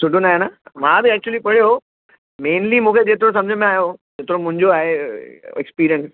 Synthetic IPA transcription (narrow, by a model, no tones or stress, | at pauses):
sʊɖʱonaːɦenamãːd̪iɛːk̚t͡ɕuəlipɐɽ̤ijoo | mẽːnlimũːkʰed͡ʑeːt̪ɪɾõs̬ɐ̃md͡ʑʱəmẽaːjod͡ʑeːt̪ɪɾomʊ̃ɦɪ̃ɲd͡ʑoaːɦeɛ̰kspiːɾijə̃ns